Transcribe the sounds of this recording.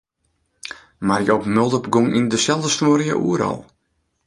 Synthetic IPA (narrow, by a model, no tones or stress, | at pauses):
marjəɔpmølˠdəpɡoŋʔindəsɛlˠdəstoːɾjə̰ʔṵəɾɔ̰lˠ